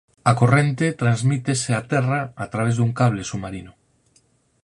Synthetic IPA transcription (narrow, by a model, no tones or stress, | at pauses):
akorent̪e̞t̪ɾanzmit̪eseat̪eraːt̪ɾaβ̞ezðuŋkaβ̞lesumaɾino